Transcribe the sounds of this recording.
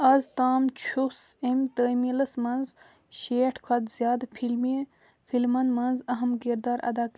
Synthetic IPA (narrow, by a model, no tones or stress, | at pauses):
ɐzt̪aːmt͡ʃʰusemt̪əːmilɐsmɐnz | ʃeːʈʰkʰɐd̪zʲjaːd̪pʰilme | pʰilmɐnmɐnzɐɦɐmkiɾd̪aːɾɐ̰d̪aːk